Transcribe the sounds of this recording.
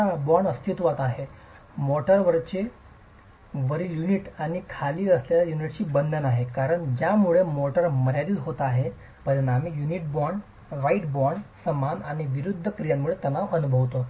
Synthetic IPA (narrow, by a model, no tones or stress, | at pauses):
abɔɾɳəst̪ʰit̪ʋat̪aɦe | mɔʈəɾʋəɾt͡ɕe | ʋəɾiːljuniʈaɽ̃ikʰaliːəsljaljajuniʈt͡ɕiːbənd̪ʱənaɦekaɾəɳd͡ʑjamuɭemɔʈəɾməɾjaɾiːlɦot̪aɦe | pəɾənamijuniʈ̚bɔɾɳ | ʋaiʈbɔɾɳsəmanaɽ̃iʋiɾud̪ʱːəkɾijamːuɭet̪ənaʋənubʱəʋt̪o